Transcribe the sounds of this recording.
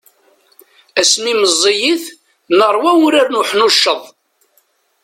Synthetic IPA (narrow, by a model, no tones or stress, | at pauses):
æsmiməzˤːijiθ | nəɾˤwæwʊɾaɾnuħnuʃːəðˤ